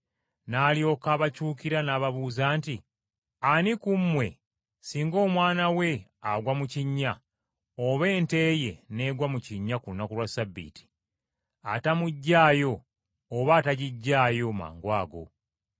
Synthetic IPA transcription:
naːljo̞ːkaːβacuːkiɾanaːβaβuːzaːnti | anikumwe̞̰ | siːŋɡo̞ːmwaːnawe̞aɡwamuciɲːa | oβe̞ːnte̞ːje̞ne̞ːɡwamuciɲːakuunːakulwasabːḭːti̥ | atamuɟːaːjo̞ː | βaːtaɟiɟːaːjo̞ma̰ːŋɡwaːɡo̞̰

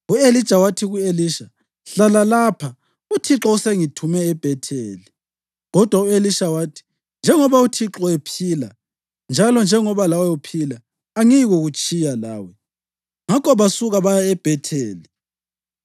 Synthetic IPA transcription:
uelid̥ʒ̥ʱawatʰiɣueliːʃa | ɬalalapʰa | utʰiǁɔuseŋitʰumɛːb̥ʱɛtʰeːli | ɣɔd̥ʱwaueliʃawaːtʰi̥ | nd͡ʒʱɛŋɔβautʰiǁɔepʰiːla̰ | nd͡ʒʱalɔnd͡ʒʱɛŋɔβalawɛupʰilaː | ŋiɣuɣut͡ʃʼijala̰ːwɛ | ŋakɔβasuɣaβajaɛb̥ʱɛtʰeːli

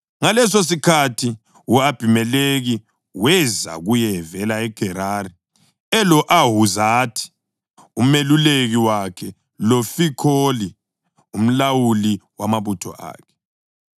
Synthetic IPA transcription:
ŋalɛsos̬ikʰatʰi | uab̥ʱimɛleɣi | wɛza̰ɣujɛvɛlaɛɡ̥ʱɛɾari | ɛlɔʔaɦuzatʰi̥ | umeluleɣiwakʰɛ | lofikʰoli | um̩lawuliwamaβutʰɔ̰ʔa̰ːkʰɛ̥

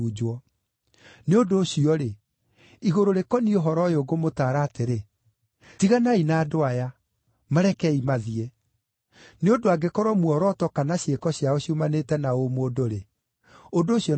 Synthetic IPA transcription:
ud͡ʒwɔ | neodoːɕiɔɾe | iɣoɾoɾekɔnioɦɔɾɔjoɡomotaːɾaːteɾe | tiɣanainaːdoaja | maɾɛkɛimaðie | neodoaɡekɔɾwɔmwɔɾɔtɔkanaɕekɔɕiaoɕiumanetɛnaomoːdoɾe | odoːɕiɔ

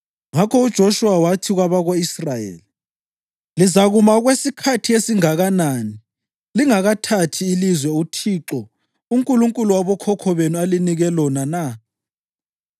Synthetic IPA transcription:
ŋakʰɔud̥ʒ̥ʱɔʃuwawatʰiɣwaβaɣoisrajḛːli | lizaɣumaɣwesikʰatʰijesiŋaɣanani | liŋaɣatʰatʰiːlizwɛutʰiːǁɔ | uŋkʼuluŋkʼuluwaβɔkʰɔkʰɔβenualiniɣɛlɔnana

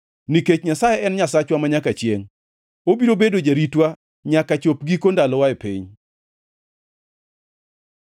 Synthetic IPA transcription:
niket͡ʃɲasajɛɛnɲasat͡ʃwamaɲakat͡ʃjeŋ | obiɾobedod͡ʒaɾitwa | ɲakat͡ʃop̚ɡikondalɔwaepḭɲ

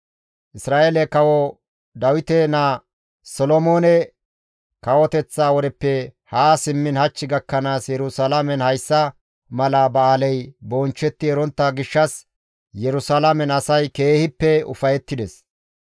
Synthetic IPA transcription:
ʔɪsɾaːʔeːlɛkɐwɔ | d̪ɐwɪt̪ɛna | sɔlɔmoːnɛ | kɐwɔt̪ɛt͡sːaːwɔɾɛpːɛhaːsɪmːɪnhɐt͡ʃːɪɡɐkːɐnaːsjɛɾʊsalamɛnhɐjsːɐ | mɐlaːbɐaːlɛjbɔːnt͡ʃːɛt̪ːɪɛɾɔnt̪ːɐɡɪʃːɐs | jɛɾʊsalamɛnɐsɐjke̞ːhɪpːɛʊ̰fɐjɛt̪ːɪd̪ɛs

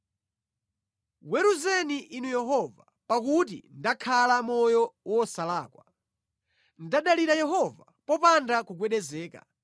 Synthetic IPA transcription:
wɛɾuzɛniʔinujɛɦɔva | pakut̬ḭndakʰalamɔjɔwɔsalaːkwa | ndaɗaliɾajɛɦɔva | pɔpandakuk̬wɛɗɛzɛːka̰

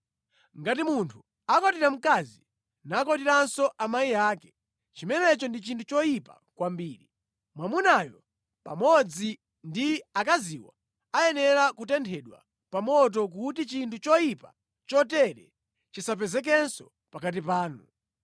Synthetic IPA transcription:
ŋɡatimuntʰu | akɔtiɾam̩kazi | nakɔtiɾansɔʔamaijaːkɛ̥ | t͡ʃimɛnɛt͡ʃɔndit͡ʃintʰut͡ʃɔjipa̰ | kwambiːɾi | mwamunajɔ | pa̰mɔd͡zi | ndiakaziwa̰ | ajɛnɛɾakutɛntʰɛɗwa̰ | pamɔt̬ɔk̬utit͡ʃintʰut͡ʃɔjipa | t͡ʃɔtɛɾɛ | t͡ʃisap̬ɛzɛk̬ɛnsɔ | pakat̬ipaːnu

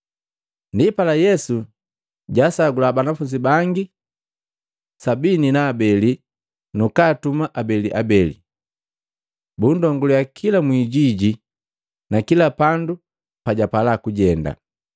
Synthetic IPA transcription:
ndipalajɛsu | ɟasaɡulabanafuɲd͡ʒibaŋɡi | sabininaːbɛli | nukaːtumaʔabɛliʔabɛlḭ | bundɔŋɡulujakʰilamwiɟiɟi | nakilapandu | paɟapalakuɟɛnda̰

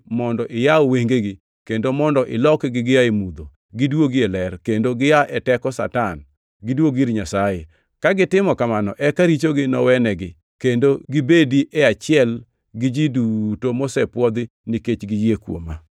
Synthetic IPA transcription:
mɔndɔʔɪjaoweŋɡeɡɪ | kendomɔndɔʔɪlɔkɡɪɡɪjaemud̪o | ɡɪdwoɡɪelɛrkendoɡɪjaʔɛtɛkɔsa̰tan | ɡɪdwoɡiɾɲasaje | kaɡɪtɪmɔkamanɔ̰ʔɛkaɾit͡ʃoɡɪnɔwɛnɛɡɪ | kendoɡɪbediʔɛat͡ʃɪɛl | ɡɪd͡ʒidutomɔsɛpwɔd̪ɪ | niket͡ʃɡɪjekwo̰ma

